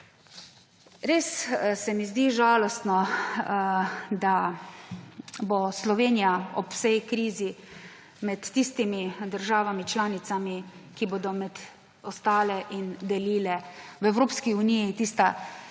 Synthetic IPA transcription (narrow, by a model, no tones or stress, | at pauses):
ɾeːssɛmizd̪iːʒaːlɔst̪nɔ | d̪a | boslɔʋeːnijaɔpwsɛjkɾiːzi | mɛt̪ːist̪imid̪əɾʒaːʋamit͡ʃlaːnit̪samikibod̪ɔmɛd̪ | ɔst̪aːlɛʔind̪ɛliːlɛʋɛwɾoːpskiunijit̪iːst̪a